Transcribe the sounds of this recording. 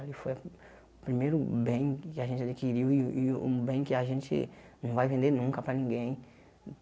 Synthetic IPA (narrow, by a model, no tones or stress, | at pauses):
alifoj | pɾimejɾubẽj̃kɪaʒẽnt͡ʃad̪ekiɾiwiubẽj̃kɪaʒẽnt͡ʃḭnɐ̃w̃vajvẽnd̪enũŋkɐpɾanĩŋɡẽj̃